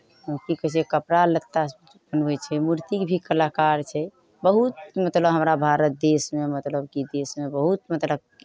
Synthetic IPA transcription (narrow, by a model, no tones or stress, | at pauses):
kikət͡ʃʰɛkəpɾalət̪ːa | bənɛt͡ʃʰɛmuɾt̪ikbʱikəlakaɾt͡ʃʰɛ | bəɦut̪mət̪ləbɦəmɾabʱaɾət̪̚d̪esmemət̪ləbkid̪esmebəɦut̪̚mət̪ləb̚